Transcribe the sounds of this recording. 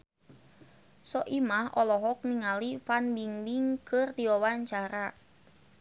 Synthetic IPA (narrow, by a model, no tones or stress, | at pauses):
sɔʔimahɔlɔɦɔk̚niŋalifanbiŋbiŋkɨrd̪iɔwaɲt͡ʃaɾa